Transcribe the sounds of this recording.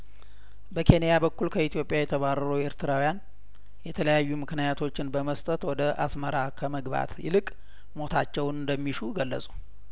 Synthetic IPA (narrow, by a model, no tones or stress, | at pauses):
bəkʰe̞nejabəkːulkʰəit̪ʰijo̞pʼːjajɛt̪ʰəβarːəɾowe̞ɾt̪ʰɨɾawujan | jɛt̪ʰələjajːumɨknijat̪ʰo̞t͡ʃːɪnbəməst̪ʼət̪wɔd̪əʔasməɾakʰəməɡba̰t̪jɪ̰lɨkʼ | mo̞t̪ʰat͡ʃːɛwnɨnd̪əmːiʃuɡəlːə̰sʼu̥